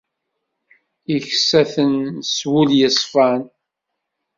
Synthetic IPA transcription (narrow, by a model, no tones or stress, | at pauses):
içsæθənswuljəsˤfɑn